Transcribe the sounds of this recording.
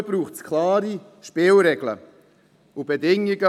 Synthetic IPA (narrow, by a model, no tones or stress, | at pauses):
b̥ɾuːχtskʰlaːɾi | ʃpɪːlɾɛɡ̥lə̰ | ʊbedɪŋːiɡə